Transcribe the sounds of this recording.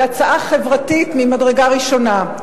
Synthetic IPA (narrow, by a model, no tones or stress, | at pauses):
at͡saʔaχe̞vʁatitmimadʁeɡaʁiʃo̞na